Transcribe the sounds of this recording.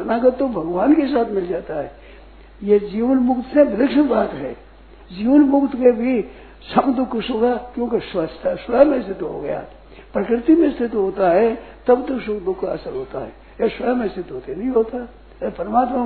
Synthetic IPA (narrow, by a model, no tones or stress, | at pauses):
ɐnaːɡət̪ːobʱɐɡʋaːnkes̬aːt̪ʰmɪld͡ʒaːt̪aɦɛː | jed͡ʒiːʋənmʊkt̪sẽbɪd̪əkʃənbaːt̪ɦɛ̰ː | d͡ʒiːʋənmʊkt̪kebʱi | sɐmd̪ʊkːsoɡakjõːkeswəst̪ʰasʋɐjamẽst̪ʰɪt̪ɦo̰ɡɐ̰ja̰ | pɾɐkɾɪt̪imẽst̪ʰɪt̪ɦoːt̪aɦɛt̪ɐbt̪əkʃʊkd̪ʊkʰːaɐsəɾɦoːt̪a̰ɦɛː | esʋɐjamẽst̪ʰɪt̪ɦoːt̪enɐɦĩɦoːt̪a | pɐɾmaːt̪ma